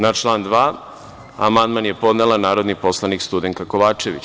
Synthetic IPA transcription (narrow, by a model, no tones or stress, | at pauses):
nat͡ʃlˠaːnd̪ʋaː | amand̪manje̞po̞d̪nelanaːɾo̞d̪nipo̞slˠanikst̪ud̪eŋk̪ako̞ʋaːt͡ʂe̞ʋḭt͡ɕ